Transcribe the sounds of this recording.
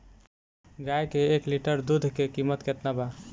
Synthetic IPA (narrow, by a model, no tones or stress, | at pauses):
ɡajkeːkliʈəɾd̪ud̪ʱkekimət̪ket̪naba